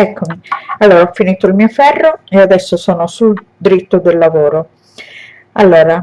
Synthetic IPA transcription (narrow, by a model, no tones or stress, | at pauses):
ɛkʰːomialːoːɾaɔfːiniːt̪oilmiːofɛrːoead̪ɛsːosɔːnosul | d̪ɾit̪ːod̪elːavoːɾo | alːoːɾa